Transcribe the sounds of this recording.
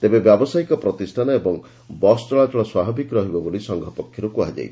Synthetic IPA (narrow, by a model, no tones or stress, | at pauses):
t̪ebebjabɔsajkɔpɾɔt̪isʈʰanɔebɔŋ | bɔst͡ʃɔɭad͡ʒɔɭɔswabʱɔbikɾɔɦibɔbolisɔŋɡʱɔpɔkʰːjɔɾukuad͡ʒa̰j